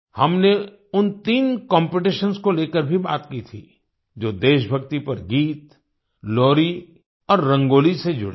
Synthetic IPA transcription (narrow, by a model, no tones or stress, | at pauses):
hɐmne | ʊnt̪iːnkɔ̃ːmpɪʈ̬ɪʃənskoleːkəɾbʱiba̰ːt̪kit̪ʰḭ | d͡ʒoːd̪eːʃbʱɐɡt̪ipɐɾɡiːt̪ | lɔːɾi | ɔːɾːɐ̃ŋɡoːlised͡ʒʊ̰ɽe